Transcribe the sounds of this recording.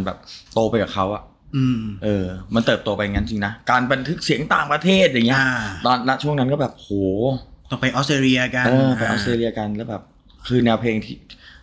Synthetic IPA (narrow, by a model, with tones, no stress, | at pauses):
nbɛː˨˩p̚t̪oː˧pa˧jkaː˨˩kʰa˦˥wʔa˨˩ʔ | ʔɯː˧ʔɤː˧ma˧nt̪ɤː˨˩p̚t̪o˧pa˧ja˨˩ŋa˦˥t͡ɕi˧ŋna˦˥kaː˧nba˧nt̪ʰɯ˦˥k̚si˨˩˦əŋt̪aː˨˩ŋpɾa˧t̪ʰeː˥˩t̪̚ja˨˩ŋi˦˥ɐt̪ɔː˧nːa˦˥t͡ɕʰu˥˩əŋna˦˥nkɔː˥˩bɛː˨˩p̚hoː˨˩t̪ɔ˨˧˩pa˧jʔɔ˦˥st̪ɾeː˧li˧ɐ˧ka˧ɤː˧˩pa˧jʔɔ˦˥st̪ɾeː˧li˧ɐ˧ka˧nlːwbɛː˨˩p̚ | kʰɯː˧nɛː˧wpʰleː˧ŋt̪ʰiː˥˩